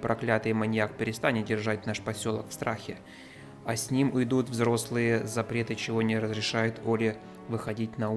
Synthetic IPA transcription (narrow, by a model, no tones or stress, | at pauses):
pɾɐklʲat̪ɨjmɐnʲjakpʲɪɾʲɪst̪anʲɪt̪̚dʲɪrʐat̚ʲnaʂpɐsʲo̞lˠəkfst̪ɾʔaxʲɪ | ɐsʲnʲimʊjd̪ut̪vzɾo̞slˠɨjəzɐpɾʲe̞t̪ɨt͡ɕɪvo̞nʲɪɾəzɾʲɪʂajʊt̪ʰolʲɪ | vɨxɐdʲit̚ʲnɐu